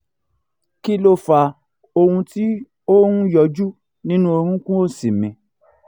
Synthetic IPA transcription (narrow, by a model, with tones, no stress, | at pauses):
ki˦lo˧fa˧˨ | o˧hũ˧ti˦ | o˦nũ˦jɔ˧d͡ʒu˦ | nĩ˦nũ˦o˧ɾ̃ũ˦kũ˦o˦˨si˨mĩ˨˧